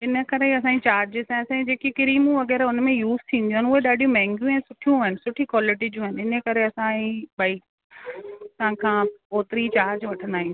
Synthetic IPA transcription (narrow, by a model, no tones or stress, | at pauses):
ɪnə̆kɐɾeiɐsãːit͡ɕaːɾd͡ʑɪsãɐsãːĩd͡ʑeːkikɪɾiːmũʋɐɣɛːɾʊnmẽjuːz̥t̪ʰĩːnd̪ĩũːɦɪnʊɦeɗaːɗijũmɛ̃ɦɛ̃ŋɡjũɛ̃ːsʊʈʰijũɦʊɦɪnɪsʊʈʰikwaːlɪʈid͡ʑũːɦɪnɪnəkɐɾeɐsãĩbaːik̚ | sãkʰãːpoːt̪ɪɾit͡ɕaːɾd͡ʑʋɐʈʰə̃nd̪aːɦĩ